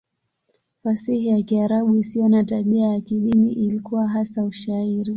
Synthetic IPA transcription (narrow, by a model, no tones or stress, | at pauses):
fasihijakiaɾaɓuisijɔnataɓiajakiɗiniʔilikuwaɦasauʃaiɾi